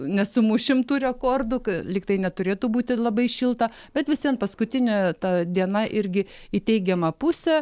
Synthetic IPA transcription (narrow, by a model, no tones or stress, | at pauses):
nʲɛsʊmʊʃʲɪmt̪uːɾʲɛkoːrd̪ʊkɐlʲɪkt̪ɐɪnʲɛt̪ʊɾʲeːt̪uːbuːt̪ʲɪlˠɐbɐɪʃʲɪlˠt̪ɐ | bʲɛt̪ʋʲɪsʲɛnpɐskʊt̪ʲɪnʲɛt̪ɐd̪ʲiɛnɐʔɪɾʲɡʲɪit̪ʲɛɪɡʲɛmɐpʊsʲɛ